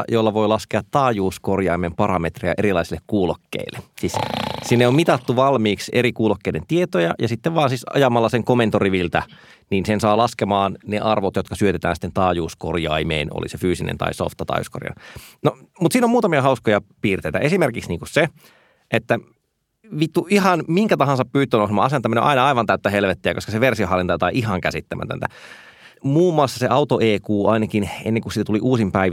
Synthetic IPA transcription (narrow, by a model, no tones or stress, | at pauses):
jolːɑʋo̞ilɑskeɑt̪ːɑːjuːskorjɑimempɑɾɑmet̪rejɑ̰ʔeɾilɑisilːekkuːlokːḛilːesiːssinːeommit̪ɑt̪ːuʋɑlmiːkseɾikuːlokːeident̪iet̪ojɑ̰jɑsit̪ːeʋʋɑːnsisɑ̰jɑmɑlːɑseŋkoment̪oriʋilt̪æ | niːnsensɑːlɑskemɑːnneʔɑrʋot̪jot̪kɑsyøt̪et̪æ̰ːnsi̥t̪ːent̪ɑːjuːsko̰rjɑ̰imḛːno̰lḭsefyːsinḛnt̪ɑ̰iso̰ft̪ːɑt̪ɑ̰ːjṵsko̰rjɑ̰nomut̪siːnommuːt̪ɑmiɑhɑuskojɑpiːrt̪eit̪æʔesimerkiksniːŋkusse | ʔet̪ːæ | ʋit̪ːuʔihɑnmiŋkæt̪ɑhɑ̃nsɑppyːt̪ːˑøːnoˑsmɑ̰ːɑseɑnt̪ɑmino̰ʔɑinɑɑiʋɑnt̪æyt̪ːæhelʋet̪ːeækoskɑseʋersioɦɑlːint̪ɑjɑt̪ɑiʔiɦɑŋkæsit̪ːæmʔæ̰t̪ø̰nt̪æ | muːmːˑɑˑlsːɑseʔɑut̪oʔeːkuːɑinɑkinḛnːeŋkusit̪æt̪uliʔuːsimpæi